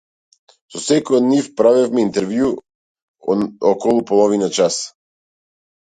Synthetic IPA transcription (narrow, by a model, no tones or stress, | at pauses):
sɔsɛkɔjɔd̪nifpɾavɛfmɛint̪ɛɾvju | ɔkɔlˠupɔlˠɔvinat͡ʃas